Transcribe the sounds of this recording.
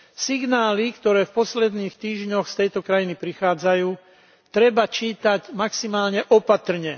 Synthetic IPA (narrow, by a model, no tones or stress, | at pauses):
siɡnaːlikt̪ɔɾɛːfpɔslɛd̪niːxt̪iːʒɲɔxst̪ɛjt̪ɔkɾajinipɾixaːd͡zajuː | t̪ɾɛbat͡ʃiːt̪aɟmaksimaːlɲɛʔɔpat̪r̩ɲɛ